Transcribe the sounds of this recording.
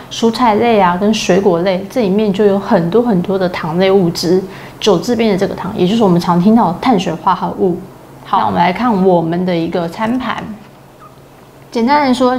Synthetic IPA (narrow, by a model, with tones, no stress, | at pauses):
ʂu˧˥t͡sʰa˨˩ɪle˥˩ɪa˩kə˥nʂwe˧˥ɪkwɔ˧˥le˥˩ɪʈ͡ʂɤ˥˩i˨˩mjɛ˥˧nt͡ɕjo˥˩ʊjo˧˥ʊxə˨˩nt̪wɔ˥xə˨˩nt̪wɔ˥d̪ə˨t̪ʰɑ˧˥ŋle˥˧ɪu˥˩ʈ͡ʂɻ̩˥ | ʈ͡ʂo˨˩ʊt͡sɹ̩˥˧pjɛ˥˧nd̪ə˨˩ʈ͡ʂɤ˥˩ɡə˩t̪ʰɑ˧˥ŋjɛ̰˨˩t͡ɕo˥˧ʊʂ̩˥wɔ˨˩m˧˦nʈ͡ʂʰɑ˧˥ŋt̪ʰi˥ŋt̪ɑ˥˩ʊd̪t̪ʰa˥˩nɕɥɛ̰˧˥xwa˥˧xa˧u˥˩ | xɑ˧˩˦wɔ̰˨˩mə˧la˧˥ɪkʰa˥˩nwɔ˨˩mə˨˦nd̪ə˧i˧˥ɡə˧t͡sʰa˥npʰa̰˧˩˦n | t͡ɕjɛ˨˩nt̪a˦˥nɻə˧˥nʂwɔ˥